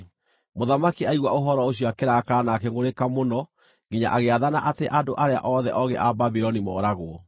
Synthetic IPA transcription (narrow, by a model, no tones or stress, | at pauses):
moðamakiaiɣwaoɦɔɾɔoɕ̬jɔakeɾakaɾanakɛŋɡoɾekamonɔ | ŋɡiɲa̰ʔaɣeaðanaʔateʔadoʔaɾea̰ʔɔðɛ̰ʔɔɣɛ̰ʔababiɾɔnimɔ̰ɾaɣoɔ